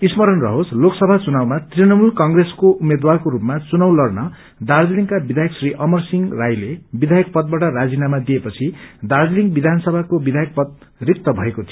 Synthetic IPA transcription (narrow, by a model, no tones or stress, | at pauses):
ismʌɾʌnrʌ̰ɦosloksʌbʱat͡sunawmat̪rinʌmulkʌŋɡreskoʔumed̪warkoɾupmat͡sunaw̃lʌrnʌ | d̪ard͡ziliŋkabid̪ʱajʌksriʔʌmʌrsiŋrajlebid̪ʱajʌk̚pʌt̪̚baʈʌɾad͡zinamad̪iepʌt͡sʰid̪ard͡ziliŋɡbid̪ʱanʌsʌbʱakobid̪ʱajʌk̚pʌt̪̚rik̚t̪ʌbʱʌekot̪ʰi